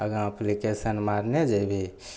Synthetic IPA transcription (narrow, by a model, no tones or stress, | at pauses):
əɡãəplikesənmaɾned͡ʒebʱi